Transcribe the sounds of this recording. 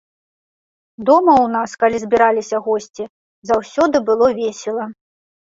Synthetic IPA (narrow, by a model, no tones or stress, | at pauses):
d̪ɔmɐwnaskalʲizʲbʲiɾalʲisʲɐɣɔsʲt͡sʲi | zawsʲɔd̪ɨbɨlˠɔvʲɛsʲɛlˠɐ